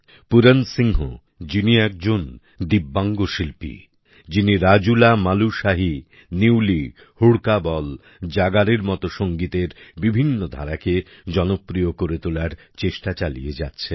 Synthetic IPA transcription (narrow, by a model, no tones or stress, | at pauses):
puɾensiŋɦo̰ | d͡ʑiniɛk̚d͡ʑon | d̪ibːaŋɡoʃilpḭ | d͡ʑiniɾad͡ʑulamaluʃaɦi | niwli | huɽkabɔl | d͡ʑaɡaɾeɾmɔt̪oʃoŋɡit̪eɾbibʱinːod̪ʱaɾaked͡ʑɔnopːɾijokoɾet̪olaɾ | t͡ɕeʃʈat͡ɕalḭjed͡ʑa̰tːɕʰe